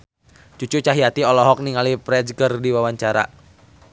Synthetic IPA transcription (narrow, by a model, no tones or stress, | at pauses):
t͡ʃut͡ʃut͡ʃaɦiat̪iɔlɔɦɔk̚niŋalipɾɛd͡ʒkərdiwawaɲt͡ʃaɾa̰